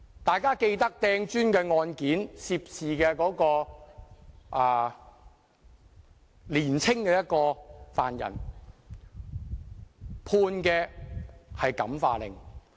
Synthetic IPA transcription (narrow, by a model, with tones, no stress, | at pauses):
t̪aː˨jkaː˥ke˧jt̪ɐ˥k̚t̪ɛː˧ŋt͡ʃyː˥nkɛː˧ŋɔː˧nkiː˨˥nsiː˧p̚siː˨kɛː˧kɔː˨˥kɔː˧ | ʔaː˨˧ | liː˨˩nt͡sʰɪ˥ŋkɛː˧jɐ˥t̚kɔː˧fa̰ː˨njɐ̰˨˩n | pʰuː˧nkɛː˧ | hɐ˨jkɐ̰˨˥mfa̰ː˧lɪ̰˨˩ŋ